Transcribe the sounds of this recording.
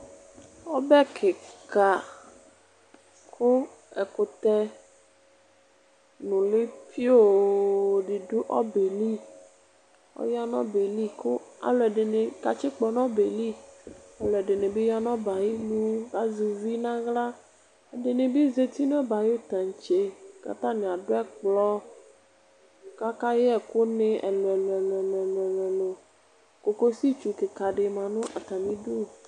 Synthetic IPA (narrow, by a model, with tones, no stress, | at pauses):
ɔ˦bɛ˦kʰe˨ka˨ | kʰo˦ | ɛ˨ko˨t̪ɛ˦ | nũ˨le˦fi˦o˦˨ | ɖe˨du˦ʔɔ˦be˨li˦˨ | ɔ̰˦ja˦nɔ̃˦be˨li˦ko˦a̰˨lɔ˨ɛ˨ɖe˨ne˨ka˨t͡ʃi˦k͡pɔ˨nɔ̃˦be˨li˦a˨lo˨ɛ˨ɖe˨nẽ˨be˦ja˦nɔ̃˦ba˨ji˦lu˦ɡa˦zu˨vi˦nã˦ɣla˦˨ | de˨nẽ˨be˦ze˨t̪i˦nũ˦ɛ˦ba˨jt̪a˨ɲ˨t͡ʃe˦ka̰˦t̪ã˦nẽ˨a˨ɖo˦ɛ˦k͡plɔ˦ | ka˦ka˦je˦ɛ˨ko˦nẽ˦ɛ̰˨lo˨ɛ˨lɛ˨lo˨ɛ˨lo˨ɛ˨lɛ˨lɛ˨lo˨ | ko˨ko˦si˦t͡ʃu˨ke˨ka˨ɖe˨mã˨nʊ̃˦ʔa˨t̪a˨mĩ˦du˦˨